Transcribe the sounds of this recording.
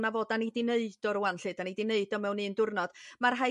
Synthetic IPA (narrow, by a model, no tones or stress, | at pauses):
navoːdanidɪneɨd̥ɔɾuanɬɨdanidɪneɨdɔmɛwnɨːndʊrnɔd̥marɦa